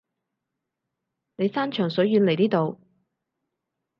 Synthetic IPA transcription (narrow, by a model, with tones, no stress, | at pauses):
ne˨˧jsaː˥nt͡ʃʰœː˨˩ŋsɵ˨˥jjyː˨˧nle˨˩jt̪iː˥t̪o˨w